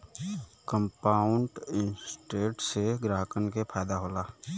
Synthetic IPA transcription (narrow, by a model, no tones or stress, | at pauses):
kə̃mpaːʊɳʈɪnsʈeːʈseɡɾaːɦəkənkepʰaːd̪aɦoːlaː